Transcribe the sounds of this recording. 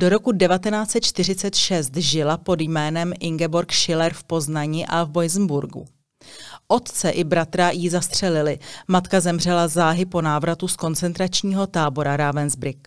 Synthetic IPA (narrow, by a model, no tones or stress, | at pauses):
d̥o̞ɾo̞kudɛvat̪ɛnaːt͡sɛt̪̚t͡ʃt̪ɪr̝ɪt͡sɛt̪ʃɛst̪ʒɪlapo̞djmɛːnɛmʔɪŋɡɛbo̞ɾkʃɪlɛɾfpo̞znaɲiʔavbo̞jzn̩buɾɡṵ | ʔo̞t̪t͡sɛʔɪbɾat̪ɾajizast̪r̝̥ɛlɪlɪmat̪kazɛmr̝ɛlazaːɦɪpo̞naːvɾat̪usko̞nt͡sɛnt̪ɾat͡ʃɲiːɦo̞t̪aːbo̞ɾaɾavɛnzbɾɪk